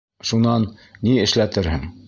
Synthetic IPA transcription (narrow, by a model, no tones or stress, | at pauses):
ʃunɑnːiɘ̆ʃlæt̪ɘɾhɘŋ